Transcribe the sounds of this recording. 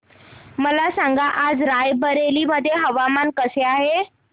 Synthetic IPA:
məlasaŋɡaʔad͡zɾajbəɾeliːməd̪ʱːjeɦəʋamankəseaɦe

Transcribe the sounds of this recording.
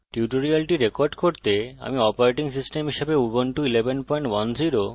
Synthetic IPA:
ʈiuʈoɾialʈiɾekɔɾɖkoɾt̪ea̰miɔpoɾeʈiŋsisʈemɦiʃebeubonʈuilebenpɔjɳʈwand͡ʑiɾo

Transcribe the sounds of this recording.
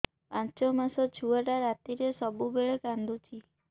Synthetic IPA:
pãnt͡ʃɔmasɔt͡ʃʰuaʈaɾat̪iɾesɔbubeɭekand̪ʱut͡ʃʰi

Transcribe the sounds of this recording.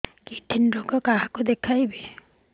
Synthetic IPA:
kiʈʰinɾɔkɔkaɦakud̪ekʰajbe

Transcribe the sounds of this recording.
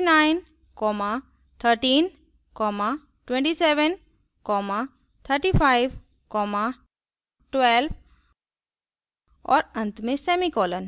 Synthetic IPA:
naɪn | kɔːma | t̪ʰəɾʈiːn | kɔːma | ʈwɛ̃ɳʈiseʋən | kɔːma | t̪ʰəɾʈipʰaɪʋ | kɔːma | ʈwɛlʋ | ɔ̰ːɾə̃nt̪meseːmikɔːlən

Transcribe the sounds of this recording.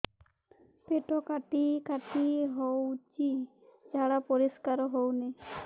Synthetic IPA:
peʈokaʈikaʈiɦowt͡ʃi | d͡ʒaɽapɔɾiskaɾɔɦowne

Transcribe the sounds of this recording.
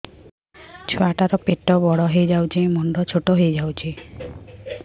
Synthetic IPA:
t͡ʃʰwaʈaɾɔpeʈɔbɔɽɔɦejd͡ʒawt͡ʃʰẽmɔɳɖɔt͡ʃʰoʈoɦejd͡ʒawt͡ʃʰi

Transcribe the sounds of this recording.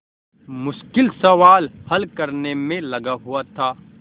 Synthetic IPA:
mʊʃkɪlsɐʋaːlhɐlkɐɾnemẽlɐɡaɦuat̪ʰaː

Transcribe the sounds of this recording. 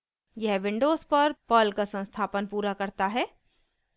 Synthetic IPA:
jɛɦʋɪ̃ɳɖoːzpɐɾpəlkasə̃ñst̪ʰaːpənpuːɾakɐɾt̪aɦɛː

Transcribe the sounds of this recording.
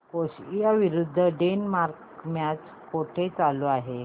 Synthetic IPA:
koɕijaʋiɾud̪ʱːəɖenmaɾk | mjat͡s | koʈʰet͡saloaɦe

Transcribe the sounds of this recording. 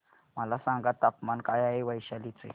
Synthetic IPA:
məlasaŋɡat̪apmankajaeʋəjɕalit͡sə̰

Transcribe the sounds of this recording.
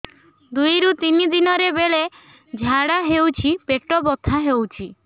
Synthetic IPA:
d̪ujɾut̪inid̪inɔɾebeɭe | d͡ʒʱaɽaɦewt͡ʃʰipeʈɔbɔt̪ʰaɦewt͡ʃʰi

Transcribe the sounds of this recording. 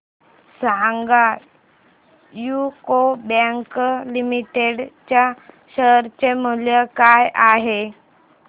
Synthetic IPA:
saŋɡa | jukobɛŋklimiʈeɽt͡ɕjaɕəɾt͡ɕemuljəkajaɦe

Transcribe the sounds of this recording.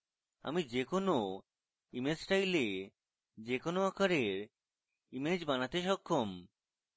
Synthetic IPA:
a̰mid͡ʑekono | imed͡ʑsʈajle | d͡ʑekonoakaɾeɾ | imed͡ʑbanat̪eʃɔkʰːom

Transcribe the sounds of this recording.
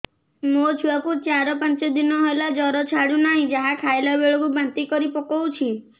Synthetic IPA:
mot͡ʃʰuapuɾt͡ʃaɾɔpant͡ʃɔd̪inɔɦɔelad͡ʒɔɾɔt͡ʃʰaɽunaɦĩd͡ʒaɦakʰaelɔbeɭɔkubant̪ikɔɾipɔkɔwt͡ʃʰi

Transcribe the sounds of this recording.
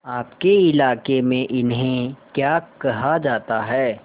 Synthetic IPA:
aːpkeɪlaːkemẽʔɪnɦẽkjaːkɐɦad͡ʒaːt̪aɦɛː

